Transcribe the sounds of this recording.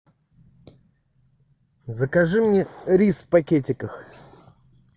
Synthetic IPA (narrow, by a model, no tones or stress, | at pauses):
zəkɐʐɨmnʲeɾʲisfpɐkʲetʲɪkəx